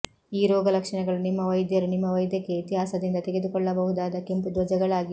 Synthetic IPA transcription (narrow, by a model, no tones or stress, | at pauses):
iːɾɔːɡɐlɐkʂɐɳɛɡɐɭunimːɐʋɐjd̪jɐɾunimːɐʋɐjd̪jɐkːe̞it̪iɦaːsɐd̪ind̪ɐt̪e̞ɡe̞d̪ukɔɭːɐbɐɦud̪aːd̪ɐke̞mpud̪ʋɐd͡ʒɐɡɐɭaːɡi